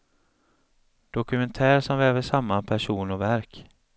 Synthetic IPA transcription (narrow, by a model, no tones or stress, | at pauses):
d̪̥ɔkɵmɛnt̪ʰæːɾʂɔmveːvəʂamːapʰæʂuːnɔvæɾk